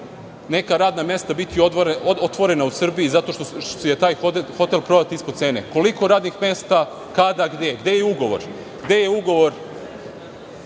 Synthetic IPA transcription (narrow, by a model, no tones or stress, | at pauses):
ne̞kaɾaːd̪namjest̪abit̪iooot̪ʋo̞ɾe̞nausr̩biizat̪o̞ʃt̪ojet̪aːjoxo̞t̪elpɾo̞d̪at̪iispod̪t̪se̞ːneko̞liko̞ɾaːd̪nixmest̪a | kad̪aɡd̪e̞ɡd̪ejeuɡo̞ʋo̞̰ɾ | ɡd̪e̞je̞uɡo̞ʋo̞ɾ